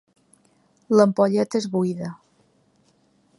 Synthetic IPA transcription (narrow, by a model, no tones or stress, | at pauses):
ləmpoʎet̪ezβuiðə